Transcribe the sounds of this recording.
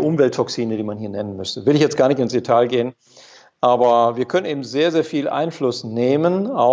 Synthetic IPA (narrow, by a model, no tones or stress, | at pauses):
ʔʊmvɛltʰɔksiːnədiːmanhiːɐnɛnənmʏstəvɪlɪçjɛt͡st̚ɡ̥aːɐnɪçtɪnsd̥etʰaːlɡeːən | ʔaːbɐviːɐkʰœnənʔeːbm̩zeːɐzeːɐfiːlʔa̰ɪnflʊsneːmənaʊ